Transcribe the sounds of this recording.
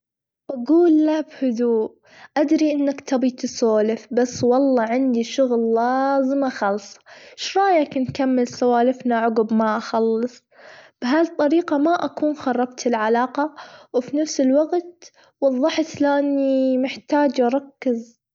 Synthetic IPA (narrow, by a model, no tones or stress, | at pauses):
ʔaɡuːlːabhʊd̪uːʔ | ʔad̪ɾiʔɪnːakt̪ʰɑbit̪ɪsoːlɪfbasːwɑlˤːɑːʕɪnd̪iʃʊɣlːazɪmaxɑːlsˤɑ̥ʃɾˤɑːjakɪnkamːɪlsawaːlɪfnaʕʊɡbmaʔaxɑlːɨsˤ | b̥ɦalt̪ˤːɑɾiːqɑmaʔakuːnxɑrˤːɑbt̪ɪlʕalaːqɑwfinafsɪlwaɡt̪ | wɑðˤːɑħt̪laʔanːimɪħt̪aːd͡ʒʔɑɾˤɑkːɪz